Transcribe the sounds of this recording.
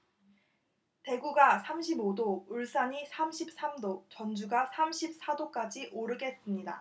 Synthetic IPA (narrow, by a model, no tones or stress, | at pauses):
te̞ɡuɡasʰamɕʰibodouɭs͈aɲisʰamɕʰip̚s͈amdot͡ɕʌnd͡ʑuɡasʰamɕʰip̚s͈ʰadok͈ad͡ʑiʔoɾɯɡe̞s͈ɯmɲida̰